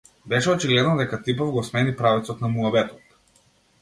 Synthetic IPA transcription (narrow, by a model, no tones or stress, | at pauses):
bɛʃɛɔt͡ʃiɡlɛd̪nɔd̪ɛkat̪ipɔvɡɔsmɛnipɾavɛt̪sɔt̪namuabɛt̪ɔ̥t̪